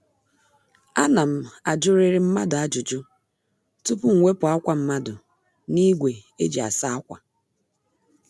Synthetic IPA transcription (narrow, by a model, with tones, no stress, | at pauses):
a˦na˨m̩˦a˨d͡ʒʊ˦ɾɪ˦ɾɪ˦m̩˦ma˦dʊ˨a˦d͡ʒʊ˨d͡ʒʊ˦ | tu˦pʊ˦ŋ̩˨ŋʷe˦pʊ˨a˦kʷa˦m̩˦ma˦dʊ˨ | ni˦ɡʷe˨ḛ˦d͡ʒi˨a̰˨sa˦a˦kʷa̰˨